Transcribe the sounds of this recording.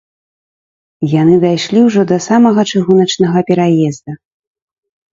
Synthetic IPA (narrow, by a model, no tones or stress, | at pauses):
janɨd̪ajʂlʲiwʐɔd̪ɐsamɐɣɐt͡ʂɨɣunɐt͡ʂnɐɣɐpʲɛɾajɛzd̪ɐ